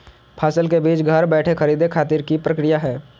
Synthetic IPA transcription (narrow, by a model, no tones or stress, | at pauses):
pʰaːsəlkebiːt͡ʃɡʱəɾbɛːʈʰexʰɐɾiːd̪ekʰaːt̪iːɾkipɾɐkɾijaɦɛː